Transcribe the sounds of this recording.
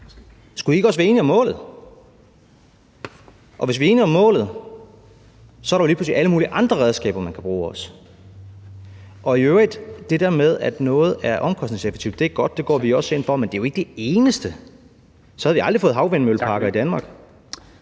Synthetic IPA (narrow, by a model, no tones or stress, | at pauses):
sɡ̥uie̝ɡ̥ɒ̽sʋæɐe̝ːniɒ̽mːɔ̰ːlð̩ˠ | ʔɒ̽ʋe̝sʋie̝ːniɒ̽mːɔ̰̽ːlð̩ˠ | sɒ̽æɐɾɑjo̝liːpʰlusliʔæləmuːliʔɑ̈nd̥ʁɐʁɛðˠsɡ̥ɛ̰ːb̥ɐmænkʰæb̥ʁuːɒ̽s | ʔɒ̽iøʊʁid̥ːe̝d̥eɐmeð̞ˠæd̥nɔ̽ːð̩ˠæɐʔɒ̽mkʰɒ̽sd̥ne̝ŋsefe̥t͡sʰiʊd̥e̝æɐɡ̥ɒ̽d̥ːe̝ɡ̥ɒ̰ːʋiɒ̽senfɒ̽mend̥e̝jo̝e̝ɡ̥əd̥e̝e̝ːnəsd̥ə | sɒ̽hæðˠʋiɑ̈ld̥ifɔːð̩ˠɑ̈ʊʋenmølpʰɑ̈ɡ̥ɐid̥ænmɑ̈ːɡ̥